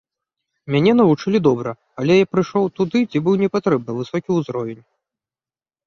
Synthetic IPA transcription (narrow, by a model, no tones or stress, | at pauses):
mʲanʲɛnɐvut͡ʂɨlʲid̪ɔbɾɐ | alʲɛjapɾɨʂɔwt̪ud̪ɨt͡sʲibɨwnʲɛpat̪ɾɛb̚nɐvɨsɔkʲiuzɾɔvʲɛnʲ